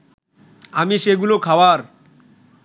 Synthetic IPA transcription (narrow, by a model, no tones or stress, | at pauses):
amiʃeɡulokʰawaɾ